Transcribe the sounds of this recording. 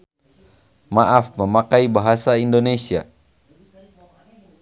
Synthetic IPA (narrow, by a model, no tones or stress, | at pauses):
maʔafməmakaibaɦasaindonesia̰